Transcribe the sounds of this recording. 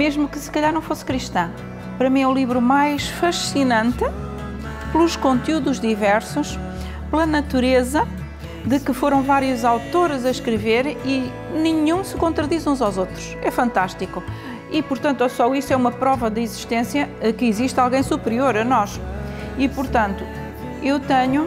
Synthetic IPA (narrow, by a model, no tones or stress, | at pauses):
meʒmukɨsɨ̥kɐʎaɾnɐ̃w̃foskɾiʃt̪ɐ̃ | pɐɾɐmĩɛũlˠivɾumajʃfɐʃinɐ̃nt̪ɨ | plˠuʃkõnt̪juðuʒðivɛɾsuʃ | plˠɐnɐt̪uɾezɐ | d̪ɨkɨfoɾɐ̃w̃vaɾjuzawt̪oɾzɐʃkɾɨveɾi | nɨ̃ɲũsɨkõnt̪ɾɐðizũzawzot̪ɾuʃɛfɐ̃nt̪aʃt̪iku | ipʊɾt̪ɐ̃nt̪uɛsɔiʃt̪uɛumɐpɾɔvɐðɨiziʃt̪ẽsjɐkɨiziʃt̪alˠɣɐ̃j̃supɾioɾɐnɔʃ | ipʊɾt̪ɐ̃nt̪u | ewt̪ɐɲu